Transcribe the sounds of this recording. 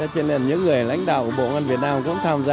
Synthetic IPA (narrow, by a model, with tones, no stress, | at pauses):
t͡ɕe˧nle˨˧˩nɲɨ̰˧˥ŋːɨ˨˩əjla̰˧˥jŋ̟ɗa̰ː˧˨wku˧˩əɓo̰˧˨ŋa˧nvi˨˩ət̚naː˧mkʊ̰˧˥ŋ͡mt̪ʰaː˧mzaː˧